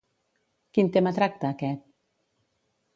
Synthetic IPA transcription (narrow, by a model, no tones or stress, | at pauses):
kint̪emət̪ɾak̚t̪əːkɛt̪̚